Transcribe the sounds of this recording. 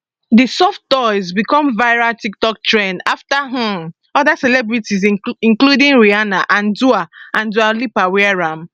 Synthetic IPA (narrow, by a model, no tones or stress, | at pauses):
disɔftdɔɪzbikɔ̃mvaɪɹaltik̚tɔk̚tʰɹɛ̃ndaftaɦũm | ɔðasɛlɛbɹitiziĩnkludĩŋɹianaʔãnduaãndualipawɛaɹãm